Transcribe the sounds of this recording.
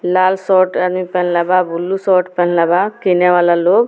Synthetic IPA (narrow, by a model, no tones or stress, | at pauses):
lalsɔʈad̪mipɛnlababʱulːusɔʈpɛnlabakinɛʋalalob